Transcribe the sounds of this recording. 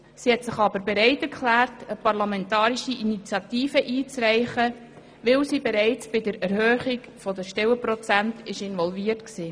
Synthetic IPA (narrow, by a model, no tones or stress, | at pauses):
sihɛtsɪχɑbəɾbɛɾæɪtɛɾkʰlæːrtəpɑɾlɑmɛntɑːɾiʃiʔinit͡sjɑt̪iːfəʔiːt͡sɾæɪχə | ʋɪlsibɛɾæɪt͡sb̥ɪdəɾɛɾhøːχiɡ | fɔdəʃtɛwəpɾɔt͡sæntɪʃɪnʋɔlviːəɾtksiː